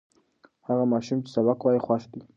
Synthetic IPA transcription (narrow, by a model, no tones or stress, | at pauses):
haɣamɑʃumt͡ʃe̥sabakwɑjixwaʃd̪i